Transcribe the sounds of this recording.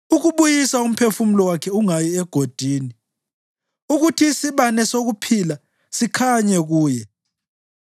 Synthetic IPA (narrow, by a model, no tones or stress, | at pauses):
uɣuβujisaum̩pʰefum̩lɔwakʰɛuŋajiɛɡ̥ʱod̥ʱiːni | uɣutʰiːsiβanɛsoɣupʰila | sikʰaɲɛɣuːjɛ